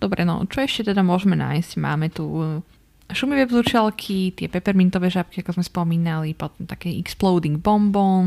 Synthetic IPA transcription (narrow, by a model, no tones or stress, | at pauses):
d̪̥ɔbɾɛnɔ̰t͡ʃɔɛʃcɛt̪ɛd̪amʊɔʒɛmɛna̰ːjscma̰ːmɛt̪u | ʃumiʋɛːvzut͡ʃalkʰit̪ɪɛpɛpɛɾmint̪ɔʋɛːʒap̚kiakɔzmɛspɔmiːnalipɔt̪ɔmt̪akɛːɛksplɔʊd̪iŋɡ̚bɔmbɔn